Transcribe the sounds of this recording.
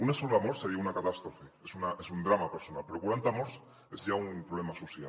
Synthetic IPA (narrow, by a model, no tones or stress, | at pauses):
unasolamoɾseɾiaunakat̪ast̪ɾofeesunaʔesund̪ɾamapeɾso̞nalpe̞ɾoɣwɾant̪amoɾs | e̞zʝaunpɾoβlemasusja